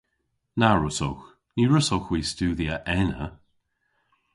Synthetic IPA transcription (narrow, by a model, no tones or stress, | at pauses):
naɹʊso̰wx | niːɹʊsowxwiːstuːðiəʔɛnə̰